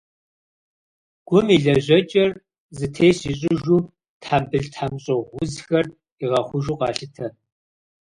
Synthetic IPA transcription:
ɡ̥ʷʊmiɮɐʑɐt͡ʃʼɐr | zɨtʰeːɕiɕʼɪʒuː | tʰħambɨɮtħamɕʼɐʁʷʊzxɐr | iʁɐχʷʊʒuːqɑ̰ːɬɨtʰɐ

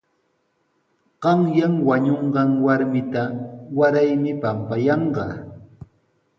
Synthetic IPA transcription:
ɢ̥ɑŋjaŋwaɲoɴɢɑŋwaɾmɪt̪awaɾajmɪpampajɑɴɢɑ

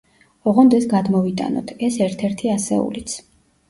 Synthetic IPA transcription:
ɔʁɔnd̪ɛsɡad̪mɔvit̪ʼa̰nɔ̰t̪ʰɛsɛɾt̪ʰɛɾt̪ʰiasɛ̰ṵlit̪sʰ

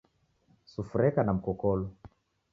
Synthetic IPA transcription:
sufuɾɛkanam̩kɔkɔlɔ

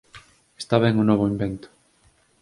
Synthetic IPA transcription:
est̪aβ̞eŋunoβoimbent̪ʊ̥

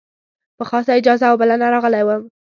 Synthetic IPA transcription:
pəxɑsaɪd͡ʒɑzawbəlanaɾɑɣəlajwəm

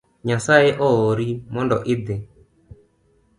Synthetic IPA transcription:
ɲasaɛʔɔɔɾimɔndɔʔɪd̪ɛ

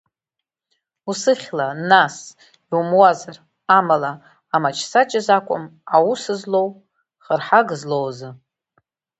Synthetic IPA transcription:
usɨχʲlanas | umwazar | amala | amat͡ʃʰsat͡ʃʼɪzakʷʼʊ̰mawusɨzlo̞w | χərħaɡɨzlowzɨ

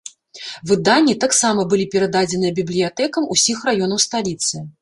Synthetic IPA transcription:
vɨd̪anʲːit̪aksamɐbɨlʲipʲɛɾɐd̪ad͡zʲɛnɨjɐbʲiblʲijat̪ɛkɐmusʲixrajɔnɐwst̪alʲit̪sɨ

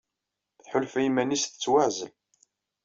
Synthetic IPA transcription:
θħʊlfimænisθə̥t͡sːwaʕzəl

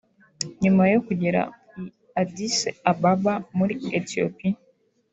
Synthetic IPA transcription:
ɲumajo̞kuɟeɾa̰ | adiseababamuɾietio̰pi

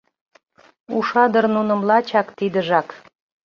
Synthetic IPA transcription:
uʃɑd̪ərnunə̆mlɑt͡ɕɑkt̪id̪əʒɑk

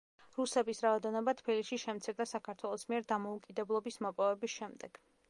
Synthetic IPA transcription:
ɾusɛbisɾaɔd̪ɛnɔbat̪ʰpiliʃiʃɛmt̪sʰiɾd̪asakʰaɾt̪ʰwɛlˠɔsmiɛɾd̪amɔukʼid̪ɛblˠɔbismɔpʼɔvɛbisʃɛmd̪ɛɡ̥

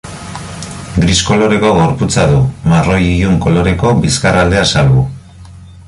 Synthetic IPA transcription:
ɡɾisko̞lo̞ɾe̞ko̞ɣo̞ɾput͡saðumaro̞jijuŋko̞lo̞ɾe̞ko̞biskarald̪e̞asalɣu

